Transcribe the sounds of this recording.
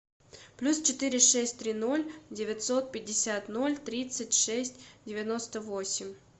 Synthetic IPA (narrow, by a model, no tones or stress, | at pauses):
plʲust͡ɕɪt̪ɨɾʲɪʂɛsʲtʲt̪ɾʲino̞lʲdʲɪvʲɪt̪so̞t̪̚pʲɪdʲːɪsʲat̪no̞lʲt̪ɾʲit̪sɨtʲʂɛsʲtʲdʲɪvʲɪno̞st̪əvosʲɪmʲ